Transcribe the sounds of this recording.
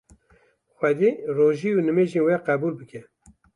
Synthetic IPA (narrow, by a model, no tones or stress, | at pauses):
xʷɛd̪iːroːʒiːunɨmeːʒeːnwɛqɛbuːlbɨkʰɛ